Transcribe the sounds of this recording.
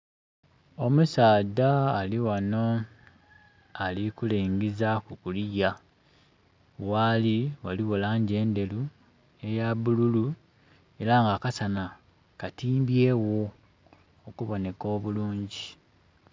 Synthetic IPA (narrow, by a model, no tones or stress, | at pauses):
o̞musaːdaːliwano̞ | alikuleːŋɡizakukulija | waliwaliβulaɲɟe̞ːnde̞lu | e̞jaβululu | e̞ɾaŋɡakasana | katiːmbjeːwo̞ | okuβo̞ne̞ko̞ːβuluːɲɟi